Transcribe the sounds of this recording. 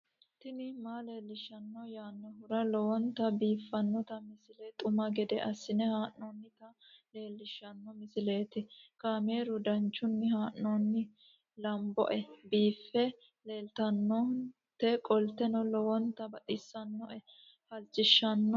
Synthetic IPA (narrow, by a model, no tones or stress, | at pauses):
t̪ɪnɪmaːleːlːɪʃɐnːɔjaːnːɔhʊɾɐlɔwɔnt̪ɐbiːfːɐnːɔt̪ɐmɪsɪlet̪ʼʊmɐɡɛd̪ɛʔɐsːɪnɛhaːʔnoːnːɪt̪ɐle̞ːlːɪʃːɐnːɔmɪsɪle̞ːt̪ɪkaːme̞ːɾʊd̪ɐnt͡ʃːʊnːɪhaːʔnoːnːɪ | lɐmbɔ̰ʔɛbiːfːɛ | le̞ːlt̪ɐnːɔ | t̪ɛkʼɔlt̪ɛnɔlɔwɔnt̪ːɐbɐt̪ʼɪsːɐnːɔʔɛ | hɐlt͡ʃːɪʃːɐnːɔ